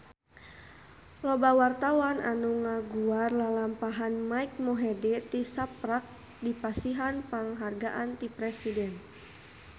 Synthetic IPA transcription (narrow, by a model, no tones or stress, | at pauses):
lɔbawart̪awanʔa̰nuŋaɡuarlalampaɦanmaik̚mɔɦɛdɛt̪isapɾak̚ | dipasiɦanpaŋɦarɡaʔant̪ipɾɛsidɛn